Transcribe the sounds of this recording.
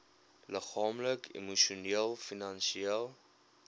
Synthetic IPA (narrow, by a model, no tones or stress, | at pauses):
ləχɑːmləkʰḭmuʃiuniəlˠfinɐnsielˠ